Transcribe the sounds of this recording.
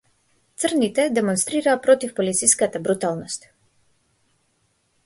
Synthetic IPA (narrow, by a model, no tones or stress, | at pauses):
t̪srnit̪ɛd̪ɛmɔnst̪ɾiɾaːpɾɔt̪ifpɔlit̪sijskat̪abɾut̪alˠnɔst̪